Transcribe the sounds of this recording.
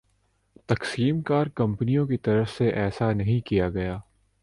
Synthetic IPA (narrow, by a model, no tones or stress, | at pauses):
t̪ɐqsiːmkaːɾkɐ̃mpnijõkit̪ɐɾəfseʔɛːsanɐɦĩkijaɡɐjaː